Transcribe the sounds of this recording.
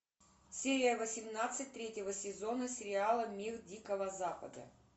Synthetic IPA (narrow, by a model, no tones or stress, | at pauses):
sʲeɾʲɪjəvəsʲɪmnat̪sɨtʲt̪ɾʲetʲəvəsʲɪzo̞nəsʲɪɾʲɪalˠəmʲirdʲikəvəzapə̰d̪ə̰